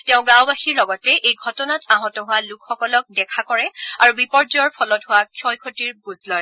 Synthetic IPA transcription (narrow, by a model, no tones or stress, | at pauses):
tɛʊ̃ɡãwbaxiɹlɔɡɔtɛʔejɡʱɔtɔnataɦɔtɔɦʊwalukʰxɔkɔlɔk̚dɛkʰakɔɹɛaɹubipɔɹzɔɔɹpʰɔlɔtɦʊwakʰjɔjkʰotiɹbuzlɔj